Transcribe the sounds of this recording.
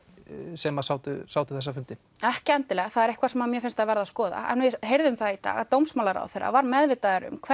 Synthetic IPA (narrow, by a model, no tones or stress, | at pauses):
sɛmasaːwt̪ʏ̰saːwt̪ʏ̥θɛsːafʏnt̪ɪ | ɛhcɪɛnt̪ɪlɛːɣaθaðɛɾɛhkʰvaɾ̥sɛmamjɛfɪnst̪aðvɛɾðaskɔːða̰ɛ̰nvɪɦejɾðʏmθaðit̪a̰ːɣat̪owmsmaːlaɾa̰wθeɾːa̰vaɾmɛðvɪt̪aðɛɾʏ̰mkʰvɛ